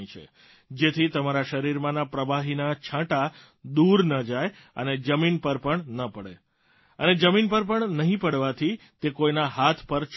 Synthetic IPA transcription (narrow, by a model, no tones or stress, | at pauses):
ĩt͡ʃʰḛ | d͡ʒet̪ʰit̪əmaɾaʃəɾiɾmãnapɾəbaɦinat͡ʃʰãʈa | d̪uɾnəd͡ʒaj | ə̰ned͡ʒəminpəɾpəɳnəpəɽḛ | əned͡ʒəminpəɾpəɳnəɦĩpəɽʋat̪ʰi | t̪ekojnaɦat̪ʰpəɾt͡ʃʰ